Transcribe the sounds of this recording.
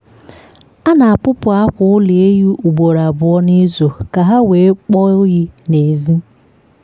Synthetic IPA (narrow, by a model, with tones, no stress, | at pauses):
a˦na˨a˨pʊ˦pʊ˨a˦kʷʊ˦ʊ˦le˨e˦ju˦ʔu˨ɡ͡bo˨ɾa˨bʊ˨ɔ˦ni˦zo˨ka˨ɦa˦we˨˦k͡pɔ˦ɣi˦ne˨zi˦